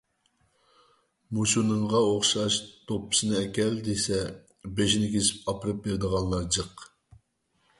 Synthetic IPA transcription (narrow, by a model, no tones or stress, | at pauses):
musunɨŋʁɑoχʃɑʃt̪ʰopːɨ̥sɨnɨɛkʲɛld̪esɛ | beʃnɪkʲesɪ̥pɑpɨɾɨp̚beɾd̪əʁɑnˠlˠɑɾd͡ʒəq